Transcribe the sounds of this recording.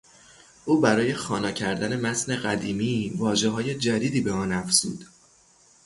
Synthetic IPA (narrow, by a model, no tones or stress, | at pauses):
ʔuːbæɾɒːje̞xɒːnɒːcʰæɾd̪æne̞mæt̪ne̞ɢæd̪iːmiːvɒːʒe̞ɦɒːje̞d͡ʒæd̪iːd̪iːbeɒːnæfz̥ṵːd̪̥